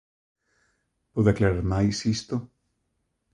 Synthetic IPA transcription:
poðaklaɾaɾmajsist̪o

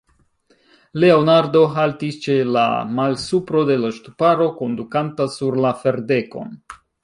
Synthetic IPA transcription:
le̞o̞naɾdo̞ɦaltist͡ʃe̞la̰malsupɾo̞de̞laʃtupaɾo̞ko̞ndukantasuɾlafe̞ɾde̞ko̞̰n

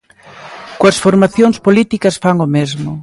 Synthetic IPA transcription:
koɐsfoɾmaθjoŋspolit̪ikɐsfaŋomezmʊ

